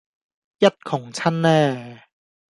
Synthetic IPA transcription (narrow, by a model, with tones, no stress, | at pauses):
jɐ˥t̚kʰʊ˨˩ŋt͡ɕʰɐ˥˨nːɛː˥˩